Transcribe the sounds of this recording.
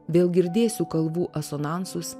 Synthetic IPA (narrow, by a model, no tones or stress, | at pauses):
ʋʲeːlˠɡʲɪɾʲd̪ʲeːsʲuːkɐlˠʋuːʔɐsoːnɑˑnsʊs